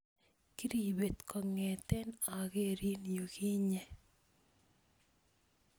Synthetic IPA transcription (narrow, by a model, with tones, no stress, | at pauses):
ki˦ɾi˨be˨t̪kʰɔ˨ŋɛ˨t̪ɛ˦na˨ɡe˦˨ɾi˦njo˨ki˦ɲɛ˨